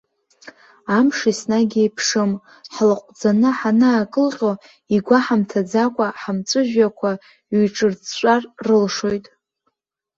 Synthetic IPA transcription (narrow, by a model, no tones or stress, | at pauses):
amʂisnaɡʲijpʰʂɨm | ħlqʷʼd͡zanɨħanɨːkʼɨlqʲʼo | iɡʷaħamtʰad͡zakʷʼaħamt͡sʷʼɨʒᶣakʷʰa | ɥiʈ͡ʂʼɨrt͡st͡ʃʷʼarːɨlʂojtʼ